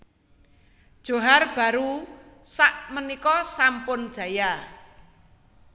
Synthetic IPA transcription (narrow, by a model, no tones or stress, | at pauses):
d̥ʒ̥o̤ɦarb̥a̤ɾu | saʔmənikɔsampʊnd̥ʒ̥ä̤ja